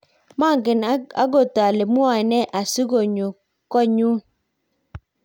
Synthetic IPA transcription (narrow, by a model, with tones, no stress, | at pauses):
ma˦˨ŋɡɪ˨na̰˦ɡo˦˨ta˨le˨mu˦a˨nɛ˦ʔa˨si˦ɡo˨ɲu˨ | kɔ˦ɲu˦